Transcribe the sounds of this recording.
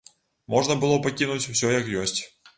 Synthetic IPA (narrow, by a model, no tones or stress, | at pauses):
mɔʐnɐbɨlˠɔpakʲinut͡sʲw̥sʲɔjɐkjɔsʲt͡sʲ